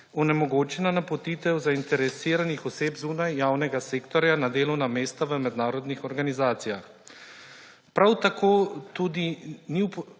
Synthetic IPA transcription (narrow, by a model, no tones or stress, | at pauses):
ɔnɛmɔɡoːt͡ʃɛnanapɔt̪it̪ɛwzaint̪ɛɾɛsiːɾanixɔseːpzuːnajːaːwnɛɡaseːkt̪ɔɾjanad̪eːlɔwnameːst̪aʋəmɛd̪naːɾɔd̪nixɔɾɡanizaːt̪sijax | pɾawt̪akʰoːt̪ud̪iniwp